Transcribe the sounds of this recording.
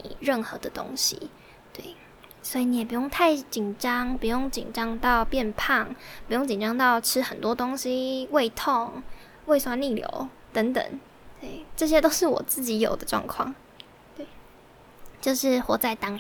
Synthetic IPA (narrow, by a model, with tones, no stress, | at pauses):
ḭ˨˩ɻə˥˩nxɤ˧˦d̪ə˧t̪o̰˥ŋɕḭ˧˦ | t̪we˥˩ɪ | swɔ˧˥i˨˩ni˧˥jɛ˨˩p̬u˧˥jo˥˧ŋt̪ʰa˥˩ɪt͡ɕi˨˩nʈ͡ʂɑ˥ŋpu˧˥jo˥˩ŋt͡ɕḭ˨˩nʈ͡ʂɑ˥ŋt̪ɑ˥˧ʊpjɛ˥˧npʰɑ˥˩ŋpu˧˥jo˥˩ŋt͡ɕi˨˩nʈ͡ʂɑ˥ŋt̪ɑ˥˩ʊʈ͡ʂʰɻ̩˥xə˨˩nt̪wɔ˥t̪o˥ŋɕi˥we˥˧ɪt̪ʰo˥˨˩ŋ | we˥˧ɪswa˥˧nli˥˩ljo̰˧˥˦ʊ | t̪ə˧˥ŋt̪ə̰˨˩˦ŋ | t̪we˥˩ɪʈ͡ʂɤ˥˩ɕ̬jɛ˥t̪o˥ʊʂɻ̩˥˩wɔ̰˨˩t͡sɹ̩˥˩t͡ɕi˧˥jo̰˨˩ʊd̪ə˦ʈ͡ʂwɑ̰˥˧ŋkʰwɑ̰˥˩ŋ | t̪we˥˩ɪ | t͡ɕjo˥˧ʊʂɻ̩˥˩xwɔ˧˥t͡sa˥˩ɪt̪ɑ˥ŋ